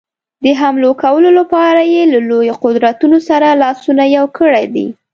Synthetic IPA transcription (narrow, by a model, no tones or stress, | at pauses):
d̪əɦamlokawəlolapɑɾajelalojoqʊd̪ɾat̪unosaɾalɑsunajawkəɽajd̪ḭ